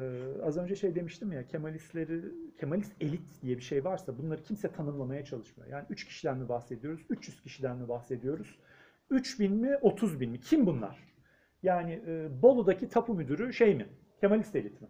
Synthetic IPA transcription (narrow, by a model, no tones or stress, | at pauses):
ɛːazø̞nd͡ʒɛʃe̞jd̪e̞miʃt̪ʰimjacʰemalʲist̪lʲeɾicʰemalʲise̞lʲit̪ʰd̪ijɛbiʃe̞jvaɾsabunlˠaɾɯcʰimsɛt̪ʰanɯmlˠamajat͡ʃʰalˠɯʃmɯjo̰jaːniyt͡ʃcʰi̥ʃid̪ʲænmʲɛbaxse̞d̪ijo̞ɾuz̥yt͡ʃjyz̥cʰiʃid̪ænmʲɛbaxse̞d̪ijo̞ɾuz̥ | yt͡ʃbinmiʔo̞t̪ʰuzbinmicʰimbunlˠa̰ɾ̥ | jaːnɪːbo̞lˠud̪acʰit̪ʰapʰumyd̪yɾyʃejmɪ | cʰemalʲist̪elʲit̪ʰmɪ